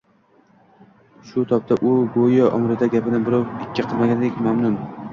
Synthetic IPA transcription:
ʃʊt̪ʰɒp̚t̪ʰaʔʊbojaʔɒmɾɪt̪ʰaɡʲapɪnɪbɪɾɒwɪkʲːɪqʰɨlˠmaɡʲand̪ekʲmamnʊm

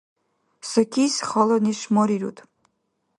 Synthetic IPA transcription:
sɔkʰʲisʲχɔlˠɔniʃmɔɾiɾṵt̪ʰ

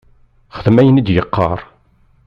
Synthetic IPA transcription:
χəðəmæjənid̪jəqːɑ̰ɾˤ

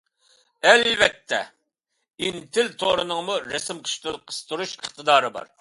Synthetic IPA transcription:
ɛlbɛt̪ʰːɛ̰ | int̪ʰɪlt̪ʰoɾɨnɨŋmuɾɛsɨmqʰə̥ʃt̪ɨlˠqʰə̥st̪uɾuʃəχt̪ɨd̪ɑːɾɨbɑ̰ɾ

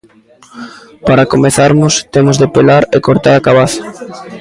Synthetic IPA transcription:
paɾakomeθaɾmʊst̪emʊzðepelaɾekoɾt̪aɾakaβaθḁ

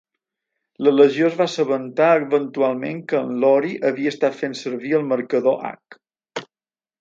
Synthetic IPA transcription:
lələʒiozβasəβənt̪aəβənt̪ualˠmḛŋkəːnlɔɾiʔəβiəst̪at̪fensəɾβiəlˠməɾkəðoʔa̰k

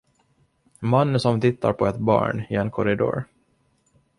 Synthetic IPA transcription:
manːəsɔmt̪ʰɪt̪ːa̰ɾpʰɔɛt̪bɑ̰ːɳɪɛnkʰɔɾɪd̪o̰ːɾ

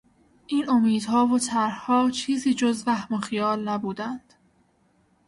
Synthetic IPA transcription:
ʔiːno̞miːd̪̥ɦɒːvot̪ʰæɾhhɒːt͡ʃʰiːziːd͡ʒozvæhmoxijɒːlnæbuːd̪ænd̪̥

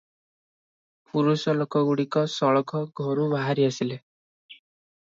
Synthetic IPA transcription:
puɾusɔlokɔɡuɽikɔsɔɭɔkʰɔɡʱɔɾubaɦaɾiasile

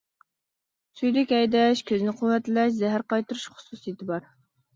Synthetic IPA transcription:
syjd̪ɪkʲɛjd̪ɛʃkʲʰøzɪnɪqʰʊwɛt̪lɛʃzɛɦæɾqɑjt̪uɾuʃχʊ̥susɨjit̪ʰɪbɑɾ

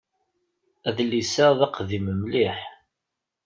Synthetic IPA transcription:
æðlisæðɑqðiməmliħ

